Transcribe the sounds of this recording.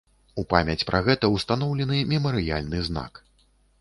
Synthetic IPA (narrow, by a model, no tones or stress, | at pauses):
upamʲɛt͡sʲpɾʔaɣɛt̪ɐwst̪anɔwlʲɛnɨmʲɛmɐɾɨja̰lʲnɨzna̰k